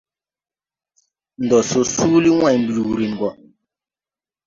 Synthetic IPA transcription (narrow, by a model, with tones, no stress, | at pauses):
n̩˨dɔ˨so˨suː˦li˦wã˦˨ɲm˨bi˨ɾu˨ɾi˨n˨ɡɔ˨